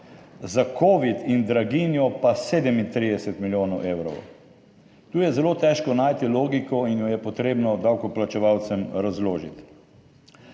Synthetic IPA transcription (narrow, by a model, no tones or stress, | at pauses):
zakʰoːʋit̪ind̪ɾaɡinjɔpaseːd̪ɛmint̪ɾid̪ɛsɛt̪miljoːnɔwʔewɾɔ̰w | t̪uːjɛzɛloːt̪ɛːʃkɔnaːjt̪iloːɡikɔinjɔjɛpɔt̪ɾeːbnɔd̪awkɔplat͡ʃɛʋawt̪sɛmɾazloːʒḭt̪